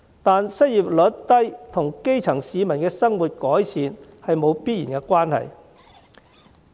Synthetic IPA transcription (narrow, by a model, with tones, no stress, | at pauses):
t̪aː˨˧nsɐ˥t̚jiː˨p̚lɵ˨˥t̚t̪ɐ˥jt̪ʰʊ˨˩ŋke˥jt͡sʰɐ˨˩ŋsiː˨˧mɐ˨˩nkɛː˧sɐ˥ŋwuː˨t̚kɔː˨˥jsiː˨nhɐ˨jmo˨˧wpiː˥t̚jiː˨˩nkɛ˧kwaː˥nhɐ̰˨˩j